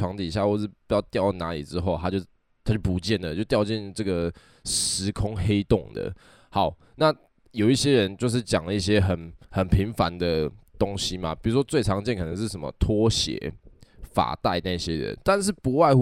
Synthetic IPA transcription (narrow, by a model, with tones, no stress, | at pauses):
wɑ˧˥ŋt̪i˨˩ɕja˥˧xwɔ˥˧ʂɻ̩˥˩pu˧˥jɑ˥˧ʊt̪jɑ˥˧ʊ˩na˧˥li˨˩ʈ͡ʂɻ̩˦xo˥˨ʊt̪ʰa˥t͡ɕjo˥˧ʊ | t̪ʰa˥t͡ɕo˥˩pu˧˥t͡ɕjɛ˥˩nd̪ə˩t͡ɕjo˥˩ʊt̪jɑ˥˧ʊt͡ɕɛ˥˧˨nʈ͡ʂɤ˥˩ɡə˩ | ʂɻ̩˧˥kʰʊ˥ŋxe˥ɪt̪o˥˨˩ŋd̪ə̰˩ | hɑ˧˦ʊ | na˥˨ | jo˨˩ʊi˥˩ɕjɛ˦˥ɻə˧˦nt͡ɕjo˥˧ʊʂ̬ɻ̩˥˩t͡ɕjɑ˨˩ŋlə˩˦i˥˩ɕjɛ˦˥xə˨˩nxə˨˩npʰi˨˧˦ŋfa˧˦nd̪ə˧˨t̪o˦˥ŋɕi˦ma̰˨pi˨˩ɻu˧˦ʂ̬wɔ˥t͡swe˥˩ɪʈ͡ʂʰɑ˧˥ŋt͡ɕjɛ˥˨nkʰɤ˨nə˧˦ʂ̬̩˥˩ʂə˨˦mə̰˨˦t̪ʰwɔ˥ɕjɛ̰˨˩˦fa̰˨˩t̪a˥˧ɪna˧i˧ɕjɛ˦ɻə̰˧˦nt̪a˥˧nʂ̬ɻ̩˥˩pu˧˥wa˥˧ɪ